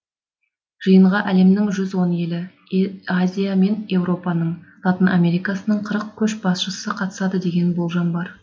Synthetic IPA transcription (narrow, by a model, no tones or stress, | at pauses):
ʒ̥əjəɴʁɑʔæle̞mnɪŋʒʏzwo̞ne̞lɪ | azʲijame̞nje̞wɾo̞pɑnəɴlˠɑt̪ənʔamʲe̞ɾijkɑsənəɴqʰəɾəq̚kʲʰɵʃbɑsʃəsəqʰɑt̪ə̥sɑd̪əd̪e̞ɡʲe̞nbolˠʒɑnbɑɾ